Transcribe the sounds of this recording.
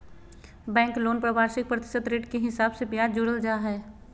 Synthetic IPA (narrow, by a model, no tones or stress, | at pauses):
bɛ̃ːŋkloːnpɾəbaːɾʃɪk̚pɾət̪ɪ̥səd̪ɾeːʈkeɦɪsaːbsepjad͡ʒʊɽəld͡ʒaɦɛː